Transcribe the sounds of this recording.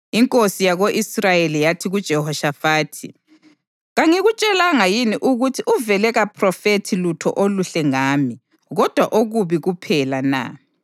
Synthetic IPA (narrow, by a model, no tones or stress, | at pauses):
iŋkʼosijaɣoʔisrajelijatʰiɣud̥ʒ̥ʱɛhɔʃafaːtʰi | ɣaŋiɣut͡ʃʼɛlaŋajiniʔuɣutʰiʔuvɛlɛɣapʰrɔfetʰilutʰɔ̰ʔoluɬɛŋaːmi | ɣɔd̥ʱwaʔoɣuβiɣupʰɛlana̰